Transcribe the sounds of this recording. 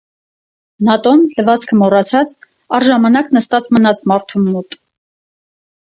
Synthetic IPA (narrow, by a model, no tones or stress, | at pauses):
nɑt̪ɔnləvɑt͡sʰkʰəmɔrɑt͡sʰɑt͡s | ɑɾʒɑmɑnɑknəst̪ɑt͡smənɑt͡smɑɾt̪ʰumːut̪